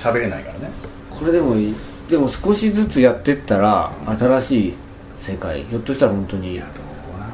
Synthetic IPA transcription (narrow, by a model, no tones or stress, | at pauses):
ɕabe̞ɾe̞naikaɾane | kʰo̞ɾe̞d̪e̞mo̞ | d̪e̞mo̞sɨ̥ko̞ɕid͡zɨt͡sɨjat̪ːe̞t̪ːaɾaat̪aɾaɕiː | se̞ka̰ḭço̞t̪ːoɕi̥t̪aɾahõ̞nt̪o̞ɲ̟i